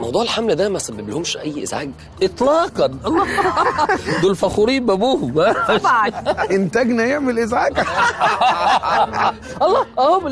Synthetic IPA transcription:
mɑwd̪ˤuːʕelħamlæd̪æmæsæbːeblhomʃʔæjːʔḛzʕaɡ | ʔet̪ˤlɑːqɑnʔɑlˤːɑ | d̪olfæxuɾiːbæbuːhbæːʃʔent̪æɡnæjeʕmelʔɪzʕaːɡ | ʔɑlˤːɑːʔæhom

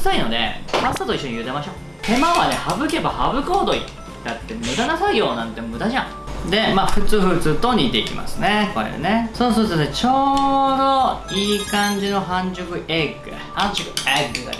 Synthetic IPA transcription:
saino̞d̪e̞̰maot̪oiɕːoɲijɯ̟t̪emaɕo̞ | t̪e̞maβane̞habɯ̟ke̞bahabɯ̟koːd̪o̞ḭ | kat̪ːe̞mɯ̟d̪anasaio̞ːnãnt̪e̞mɯ̟d̪aʑã̰ | d̪e̞maːɸɯ̟t͡sɨɸɯ̟t͡sɨt̪o̞ɲ̟it̪e̞ikʲḭma̰sɨne̞ko̰ḛɯ̰ne̞soːs̬ɨt̪et͡ɕo̞ːd̪o̞iːkãɲ̟d͡ʑino̞ɦãɲ̟d͡ʑokɯ̟eɡɯ̟ | hãɲd͡ʑokɯ̟eɡɯɡa̰

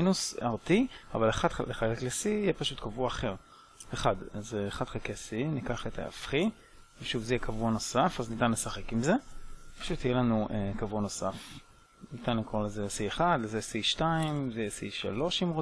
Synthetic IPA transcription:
inusaʁt̪ia̰valeχadaleχakeklesiːjepaʃut̪kavuaχeʁ | eχadazeːχadχakesinikaχet̪ʰa̰a̰fχi | veʃuvzejekʰavuano̞safaznit̪anlesaχe̞kimzepḁʃut̪ijelanuʔekavuano̞sa̰f | nit̪anlikolezesieχad̪lezesiʃtaimzejsḭʃa̰lo̞ʃimʁo

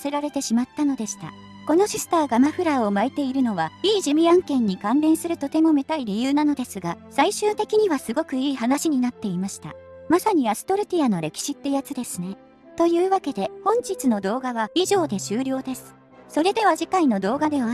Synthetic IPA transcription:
se̞ɾaɾe̞t̪e̞ɕimat̪ːano̞d̪e̞ɕi̥t̪a̰ | ko̞no̞ɕisɨ̥t̪aːɡamaɸɯ̟ɾao̞maet̪e̞iɾɯ̟no̞βaiːʑimʲiãŋkẽ̞ɲ̟ːikãnɾẽ̞ɰ̃sɨɾɯ̟t̪o̞t̪e̞mo̞me̞t̪aiɾʲijɯːnano̞d̪e̞sɨɡasaiɕɨːt̪e̞kʲiɲ̟iβasɨɡo̞kɯ̟iːhanaɕiɲ̟inat̪ːe̞imaɕi̥t̪a̰masaɲ̟iasɨ̥t̪o̞ɾɯ̟t̪ʲiano̞ɾe̞kʲi̥ɕit̪ːe̞jat͡sɨd̪e̞sɨne̞ | t̪o̞jɯ̟ːβake̞d̪e̞hõ̞ɲ̟d͡ʑit͡sɨno̞d̪o̞ːɡaβaiʑo̞ːd̪e̞ɕɨːɾʲo̞ːd̪e̞sɨ̥ | so̞ɾe̞d̪e̞βaʑikaino̞d̪o̞ːɡad̪e̞βa

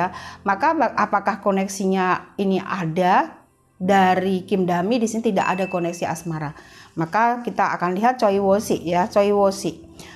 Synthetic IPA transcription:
amakabapakahkonɛksiɲainiʔada | daɾikɪmdamidisinit̪idaʔa̰dakonɛksia̰smaɾamakakit̪aa̰kanliɦat̪̚t͡ʃoiwosiʔjat͡ʃoiwosiʔ

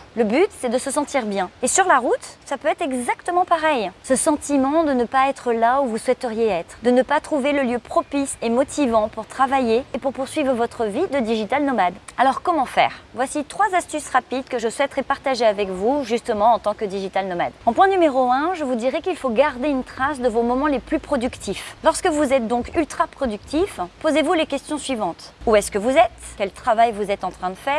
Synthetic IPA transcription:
ləbyt̪sɛd̪əsəsɑ̃t̪iʁbjɛ̃esyʁlaʁut̪sapøɛt̪χɛɡzakt̪əmɑ̃paʁɛjsəsɑ̃t̪imɑ̃d̪ənəpaɛt̪χəlauvuswɛt̪əʁjeɛt̪χd̪ənəpat̪χuveləljøpχɔpisemɔt̪ʰivɑ̃puʁt̪χavajeepuʁpuʁsɥivʁəvɔt̪χəvid̪əd̪iʒit̪alnɔmad̪alɔʁkɔmɑ̃fɛ̰ːʁvwasit̪χwazast̪ysʁapid̪kəʒəswɛt̪ʁɛpaʁt̪aʒeavɛkvuʒyst̪əmɑ̃ɑ̃t̪ɑ̃kəd̪iʒit̪alnɔma̰d̪ɑ̃pwɛ̃nymeʁoɛ̃ʒəvud̪iʁɛkilfoɡaʁd̪eynt̪χasd̪əvomɔmɑ̃leplypχɔd̪ykt̪ʰiflɔʁskəvuzɛt̪̚d̪ɔ̃kylt̪χapχɔd̪yk̚t̪ʰifpozevulekʲɛst̪jɔ̃sɥivɑ̃t̪uɛskəvuzɛt̪kʲɛlt̪χavajvuzɛt̪ɑ̃t̪χɛ̃d̪əfɛːʁ

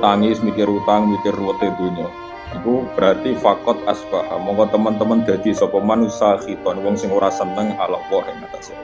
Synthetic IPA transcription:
t̪aŋɪsmikɪrut̪aŋmikɪrwət̪ed̪̥ṳɲɔ | ikub̥ɾart̪ifakɔt̪̚a̰spahmɔŋkɔt̪əmənt̪əmənd̪̥ä̤d̪̥i̤sɔpɔmanusaxit̪ɔnwɔŋsɪŋuɾasənəŋalɔ̰ʔwɔɦɛmat̪ase

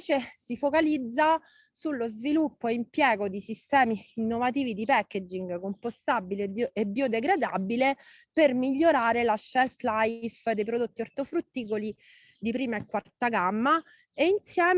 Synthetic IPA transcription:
t͡ʃesifokalid̪zːa | sulːozvilupːoeimpjɛːɡod̪isist̪ɛːmiːnːovat̪iːvid̪ipɛkːed͡ʒiŋɡkompost̪abileebːjod̪eɡɾad̪abile | permiʎːoɾaːɾelaʃɛlflajfd̪ejpɾod̪ot̪ːiort̪ofɾut̪ːiːkoli | d̪ipɾiːmaekːwart̪aɡamːa | einsjɛːm

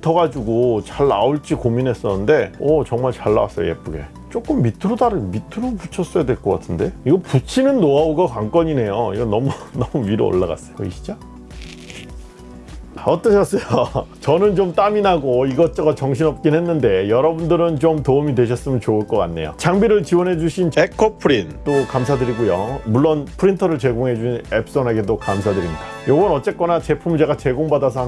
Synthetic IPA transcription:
utʰʌɣad͡ʑuɡot͡ɕaɭːa̰uɭt͡ɕ͈ikominɦe̞s͈ʌnɯnde̞ʌt͡ɕʌŋmaɭt͡ɕaɭːa̰wa̰s͈ʌjo̰jḛp͈uɡe̞̰ | t͡ɕ͈ok͈ɯmːitʰɯɾodaɾɯmitʰɯɾoput͡ɕʰʌs͈ʌjadwe̞ɭk͈ʌk͈atʰɯnde̞iɡʌput͡ɕʰinɯnːoaoɡakaŋk͈ʌɲine̞joiɡʌnʌmunʌmuiɾo̰o̰ɭːaɡa̰s͈ʌjoʌiɕʰi̥d͡ʑa | ʌt͈ʌɕʰʌs͈ʌjot͡ɕʌnɯnt͡ɕomt͈aminaɡoiɡʌt͡ɕ͈ʌɡat͡ɕʌŋɕʰinʌp̚k͈inɦe̞nːɯnde̞jʌɾʌbundɯɾɯnt͡ɕomtoumidwe̞ɕ̬ʰʌs͈ɯmjʌnt͡ɕouɭk͈ʌk͈a̰nːe̞̰jo̰t͡ɕaŋbiɾɯɭt͡ɕiwʌnɦe̞d͡ʑuɕʰint͡ɕekʰopʰɯɾint͈okamsʰadɯɾiɡujomuɭːonpʰɯɾintʰʌɾɯɭt͡ɕe̞ɡoŋɦe̞d͡ʑuɕinep̚s͈onɦaɡedokamsʰadɯɾimɲidajoɡʌnʌt͡ɕ͈e̞k͈ʌnat͡ɕe̞pʰumd͡ʑeɡat͡ɕe̞ɡoŋbadasʰʌ

